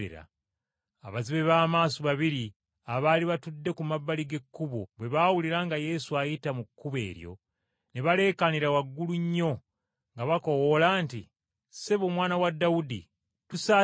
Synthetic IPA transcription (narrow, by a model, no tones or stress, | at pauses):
ḛɾa̰ | aβaziβe̞βaːmaːsoβaβiɾi | aβaliβatudːe̞kumabːaliɡe̞kːuβoβwe̞βaːwuliɾaŋɡaje̞suajitamukːuβe̞̰ːɾjo̞̰ | ne̞βale̞kaniɾawaɡːuluɲːo̞ | ŋɡaβako̞wolaːntḭ | seβomwaːnawadːawudḭ | tusa